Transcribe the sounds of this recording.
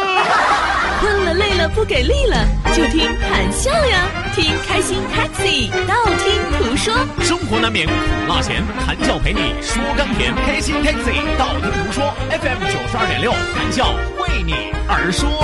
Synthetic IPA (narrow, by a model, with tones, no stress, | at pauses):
wə˥˩lə˨˧le˥˩ɪlə˩pu˥˩ke˨˩ɪli˥˩lə˩t͡ɕjo˥˩ʊt̪ʰi˥ŋxa˨˩nɕjɑ˥˩ʊjɐ˩ | t̪ʰi˥ŋkʰa˥ɪɕi˥nt̪ʰa˥ksi˨˩t̪ɑ˥˩ʊt̪ʰi˥ŋt̪ʰu˧˥ʂwɔ˥ʂʊ˥ŋxwɔ˧˥d̪ə˧mi˧˥ŋʰʊ˨˩lɑ˥˩t͡ɕʰjɛ̰˧˥nt̪ʰa˧˥nt͡ɕjɑ˥˩ʊpʰe˧˥ɪnḭ˨˩˦ʂ̩˧˥t̪ɔ˥ka˥nt̪ʰjɛ̰˧˥nkʰa˥ɪɕi˥nt̪ʰa˥k̚si˨˩t̪ɑ˥˩ʊlə˨˩t̪u˧˥t̪ʰu˧˥ʂwɔ˥ɛ˥fɛ˥˩mt͡ɕo˨˩ʂ̩˧˥ɐ˞˥˩jɛ̰˨˧˩nljo˥˩ʊt̪ʰa˧˥nt͡ɕjɑ˥˩ʊwe˥˩ɪnḭ˨˩˦ə˞˧˥ʂwɔ˥